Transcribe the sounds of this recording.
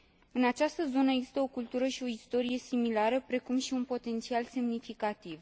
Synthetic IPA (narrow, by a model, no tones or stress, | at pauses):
ɨnat͡ʃast̪əzo̞nəeɡzist̪əo̞kult̪uɾəʃio̞ist̪o̞ɾije̞similaɾəpɾe̞kumʃiunpo̞t̪e̞nt̪sialse̞mnifikat̪iv